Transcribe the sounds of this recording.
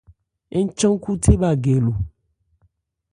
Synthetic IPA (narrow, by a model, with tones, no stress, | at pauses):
e˦ɲ̩˦t͡ʃɔ̃˦ŋ˦ku˦tʰe˦ba˨ɡɛ˨lo˨